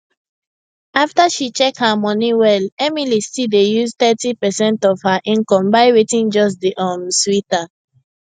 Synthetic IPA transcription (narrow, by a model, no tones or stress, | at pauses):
aftaʃit͡ʃɛk̚hamɔ̃niwɛlɛmilistidejust̪ɛtipɛsɛ̃ntɔv̥haʔĩnkɔ̃mbaɪwetĩnd͡ʒɔs̬deʔɔ̃nswita